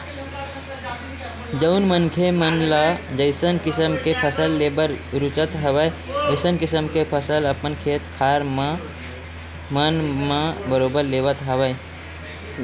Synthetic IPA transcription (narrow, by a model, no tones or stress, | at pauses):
d͡ʒəʊnmənkʰemənlad͡ʒəɪsənkɪsəmkepʰəsəlːeːbəɾɾʊt͡ʃət̪ɦəwəəɪsənkɪsəmkepʰəsələpənkʰeːt̪kʰaːɾm | mənmãbəɾoːbəɾleːʋət̪ɦəʋəj